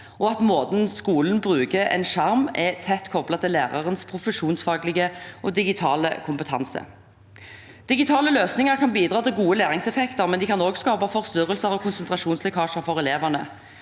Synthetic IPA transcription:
ɔɑt̪moːd̪n̩skuːln̩bʁʉːkəɛ̰nʂɑʁmɛt̪ʰɛt̪ːkʰɔblɑt̪ʰɪlæːʁɑʁənspʰʁʊfəʂuːnsfɑːɡlɪɡəʔɔːd̪ɪɡɪt̪ʰɑ̰ːlə̰kʰʊmpət̪ʰɑ̰nsə̰ | d̪̥ɪɡɪt̪ʰɑːləløːsnɪŋɑʁkʰɑnbiːd̪ʁɑːt̪ɪlɡuːəlæːʁɪŋsɛfɛkt̪əʁmɛnd̪ɪkʰɑnoːɡskɑːpɑfɔʁst̪ʏʁəlsəʁɔkʰʊnsənt̪ʁɑʂuːnslɛkʰɑːʂəʁfɔʁɛleːʋənə̰

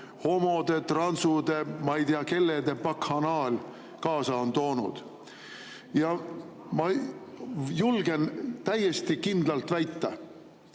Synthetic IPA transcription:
ho̞mo̞d̪̥e̞t̪rɑnsud̪e̞mɑjd̪iɑke̞lːed̪e̞pɑkhɑnɑːlʲ | kɑːsɑont̪o̞ːnṵd̪̥ | jɑ | mɑ | julɡe̞nt̪æjːest̪ikind̪lɑlt̪væjt̪ːɑ

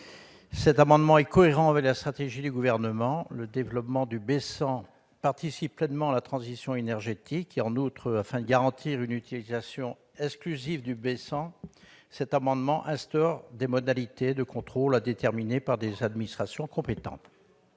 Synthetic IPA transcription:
sɛt̪amɑ̃d̪mɑ̃ɛkɔeʁɑ̃avɛklast̪χat̪eʒid̪yɡuvɛʁnəmɑ̃ləd̪evlɔpmɑ̃d̪ybesɑ̃ | paʁt̪isipːlɛnmɑ̃alat̪χɑ̃zisjɔ̃enɛʁʒet̪ikeɑ̃nut̪χəafɛ̃d̪əɡaʁɑ̃t̪ʰiʁynyt̪ilizasjɔ̃ | ɛksklyzivd̪ybesɑ̃ | sɛt̪amɑ̃d̪mɑ̃ʔɛ̃st̪ɔʁd̪emɔd̪alit̪ed̪əkɔ̃t̪χolad̪et̪ɛʁminepaʁd̪ezad̪minist̪χasjɔ̃kɔ̃pet̪ɑ̰̃t̪

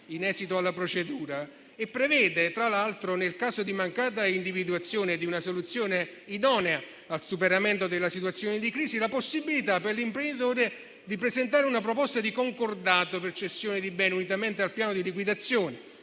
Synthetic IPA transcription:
inɛːsit̪oalːapɾot͡ʃed̪uːɾa | epːɾevɛːd̪et̪ɾalalt̪ɾonelkaːzod̪imaŋkaːt̪̬aind̪ivid̪uat̪sːjoːned̪iunasolut̪sːjoːneid̪ɔːnea | alsupeɾament̪od̪elːasit̪wat̪sːjoːned̪ikɾiːsilaposːibːilit̪apːerlimpɾend̪it̪̬oːɾe | d̪ipɾezent̪̬aːɾeunap̬ɾopɔst̪ad̪ikoŋkord̪aːt̪opert͡ʃesjoːned̪ibɛːneunit̪̬ament̪ealpjaːnod̪ilikwid̪at̪sːjoːne

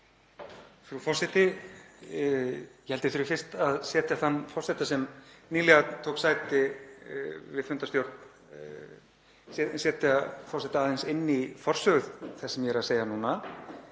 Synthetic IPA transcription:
fɾufɔr̥sɛt̪ɪ | jɛhɛlt̪ɪθʏɾɪfɪr̥t̪aðsɛːt̪jaθanːfɔr̥sɛt̪asɛmniːlɛɣat̪ʰoːwksaːjt̪ɪ | vɪfʏnt̪ast̪jowɾ̥t̪n | sɛːt̪afɔr̥sɛt̪aːðejnsɪnːifɔr̥sœɣʏðθɛsːɛmjɛɾaðseːjanuːna

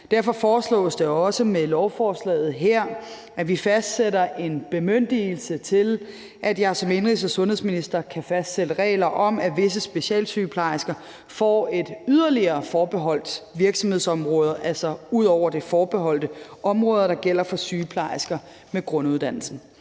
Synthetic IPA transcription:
d̥æɐfɒ̽fɒːslɔ̰̽ːsd̥eɒ̽səmelɒʊfɒːslɛ̰ːð̞̩ˠɦeɐ̰ | ʔæʋifæsd̥seɾɐʔe̝nb̥e̝møn̰d̥il̩sət͡sʰe̝l | ʔæd̥jɑ̈ɪsɒ̽me̝nʁisɐsɔ̽nhesminisd̥ɐkʰæfæsd̥sedəʁɛ̰ːlɐʔɒ̽m̰æʋe̝s̬əsb̥e̝ɕɛ̰ːlsyːpʰlɑ̈ɪsɡ̥ɐ | fɒ̰ːe̝d̥yðˠɐliɐːfɒːb̥e̝ɦɒ̽l̰d̥ʋiɐɡ̥sɒ̽mhe̝ð̞̰ˠsɒ̽mʁɔ̽ːð̞ˠɐʔælsɒ̽uð̞̰ˠɒʊ̰ɐd̥efɒːb̥e̝ɦɒ̽l̰d̥əʔɒ̽mʁɔ̽ːðˠɐɾ̥ɑ̈ɡ̥el̰ɐfɒ̽syːpʰlɑ̈ɪsɡ̥ɐ | meɡ̥ʁɔ̽nuðˠd̥æn̰l̩sn̩

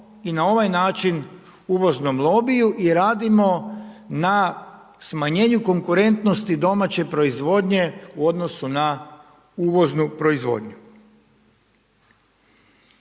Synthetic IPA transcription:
inao̞ʋajnaːt͡ʃin | uːʋo̞znomlˠo̞bijuʔiɾaːd̪imo̞na | smaɲe̞ːɲuko̞ŋkuɾe̞nt̪no̞st̪id̪o̞mat͡ɕe̞pɾo̞izʋo̞ːd̪ɲe̞uo̞d̪nosuna | uːʋo̞znupɾo̞izʋo̞̰ːd̪ɲu

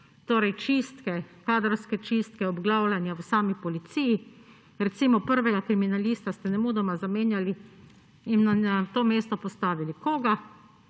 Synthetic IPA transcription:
t̪oːɾɛjt͡ʃist̪kɛkaːd̪ɾɔɾskɛt͡ʃist̪kɛɔbɡlaːwlʲanjawəsaːmipɔlit̪siji | ɾɛt̪siːmɔpəɾʋɛɡakɾiminaliːst̪ast̪ɛnɛmuːd̪ɔmazameːnjali | inːaat̪oːmeːst̪ɔpɔst̪aːʋilikoːɡa

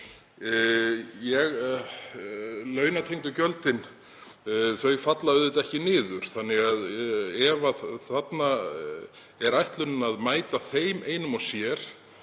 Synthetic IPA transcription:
jɛɣ | lœːɥnat̪ʰejŋt̪ʏcœlt̪ɪn | θœɥfat̪laðʏðɪt̪ɛhcɪnɪːðʏɾ̥θanːɪɣaðɛvaθat̪na | ɛɾajht̪lʏnʏnaðmaːjt̪aθejmeːjnʏmɔsjɛɾ̥

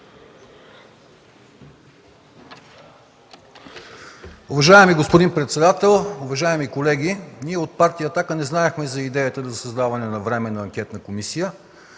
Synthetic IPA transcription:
ʊvɐʒaɛmiɡospod̪inpɾɛt̪sɛd̪at̪ɛlˠʊvɐʒaɛmikolɛɡ̟ʲiniɛot̪̚paɾt̪ijəːt̪akənɛznaɛxmɛzɐid̪ɛjət̪əd̪ɐsɐzd̪avɐnɛnɐvɾɛmɛnɐːŋkʲɛt̪nəkomisijə

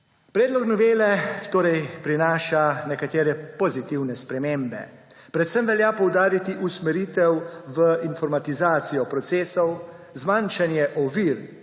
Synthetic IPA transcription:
pɾɛːd̪lɔknɔʋeːlɛt̪oːɾɛjpɾinaːʃanɛkat̪eːɾɛpɔzit̪iwnɛspɾɛmeːmbɛ̰ | pɾɛt̪səmʋɛljaːpɔwd̪aːɾit̪iʔusmɛɾiːt̪ɛwʋəinfɔɾmat̪izaːt̪sijɔpɾɔt̪seːsɔw | zmanʃanjɛʔɔʋiɾ

